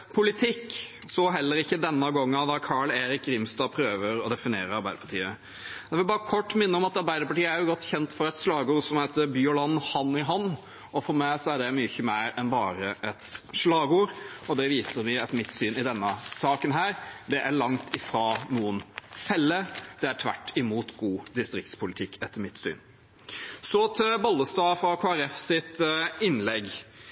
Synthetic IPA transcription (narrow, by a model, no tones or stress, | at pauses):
pʰʊlɪt̪ʰɪkːsɔɦɛlːəɾɪçːəd̪ɛnːəɡɔŋːɑd̪ɑkʰɑɭeːɾɪkɾɪmst̪ɑːpʰɾøːʋəɾɔd̪ɛfɪnɪeːɾəɾɑɾbæɪd̪əpʰɑ̥ʈʰḭːə | jæʋɪlbɑːɾəkʰɔʈːmɪnːəɔmɑt̪ɑɾbæɪd̪əɾpɑʈiːəæɾjʊɡɔt̪ːçɛnt̪fɔɾɛt̪ʂlɑːɡuːɾsɔmhæɪt̪əbyːɔlɑnːhɑnɪɦɑnː | ɔfɔɾmæɪsɔæɖɛmyːçəmæɪɾɛnbɑːɾəʔɛt̪ʂlɑːɡuːɾɔd̪ɛʋiːsəɾʋɪɑt̪mɪt̪ːsyːnɪd̪ɛnːəsɑːkənɦæːɾd̪ɛʔæɾɭɑŋt̪ʰɪfɾɑnuːənfɛlːəd̪ɛæʈʰʋæ̰ʈːɪmuːt̪ɡuːd̪ɪst̪ɾɪk̚t̪spʰʊlɪt̪ʰɪkʰːɛt̪ːəɾmɪt̪sy̰ːn | sɔt̪ʰɪlbɔlːəst̪ɑːfɾɑkʰoːæɾɛfsɪt̪ɪnːlɛɡ